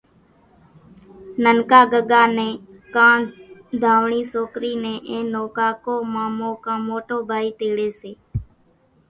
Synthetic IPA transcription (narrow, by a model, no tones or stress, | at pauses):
nəŋkaːɡəɠaːnẽː | kãːd̪ʱaːʋɳiːsoːkɾiːneːʔẽːnoːkaːkoːmãːmõːkãːmoːʈoːbʱaːiːt̪eːɽeːseː